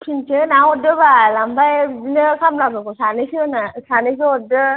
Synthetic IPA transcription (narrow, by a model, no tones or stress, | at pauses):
kʰinsʰenaɔdɯbalambajnɯkʰamlabɯɡɔsanɯjsɯɯnasanɯjs̬ɯɔt̚dɯ